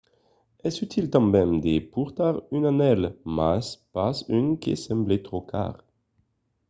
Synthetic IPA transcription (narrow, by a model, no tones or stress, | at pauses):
ɛsyt̪ʰilt̪ɑ̃mɛmd̪epuʁt̪aʁynanɛlmaspasynkʲḛsɑ̃mblet̪χokʰa̰ːʁ